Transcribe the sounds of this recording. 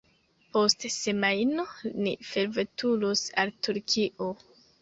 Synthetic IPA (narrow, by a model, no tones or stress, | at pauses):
po̞stse̞majnonife̞ɾvetulusaltuɾkʰiʔo